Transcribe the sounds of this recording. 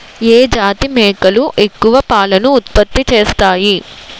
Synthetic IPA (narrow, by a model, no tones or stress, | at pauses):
eːd͡ʒaːt̪imɛːkɐluʔe̞kːuʋɐpaːlɐnuːt̪̚pɐt̪ːit͡ʃeːst̪aːji